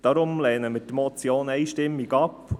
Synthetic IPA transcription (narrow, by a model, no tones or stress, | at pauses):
d̥ɑɾʊmlɛːnəmɪdəmɔt͡sjoːnɛɪʃtɪmːiɡɑp